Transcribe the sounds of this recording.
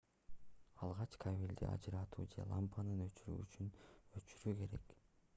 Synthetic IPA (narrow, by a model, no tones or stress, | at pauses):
ɑlˠʁɑt͡ʃkʰaβʲilʲd̪ḭʔɑ̰d͡ʒɯɾɑt̪ʰṵːd͡ʒe̞̰lˠampanɯnøt͡ʃyɾy̰ːyt͡ʃynøt͡ʃyɾyke̞ɾe̞̰k